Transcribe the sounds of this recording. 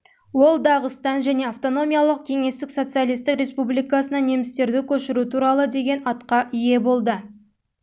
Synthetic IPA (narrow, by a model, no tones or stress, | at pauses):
wo̞lˠd̪ɑʁəst̪ɑnʒæne̞aft̪o̞no̞mʲijalˠəq̚kʲʰe̞ŋe̞st̪ɪkso̞t̪sɨjalˠijst̪ɪkɾʲe̞spublijkɑsənɑne̞mɪst̪e̞ɾd̪ɪkʲʰɵʃɪɾut̪ʰuɾɑlˠəd̪e̞ɡʲe̞nɑt̪qɑʔije̞bo̞lˠd̪ə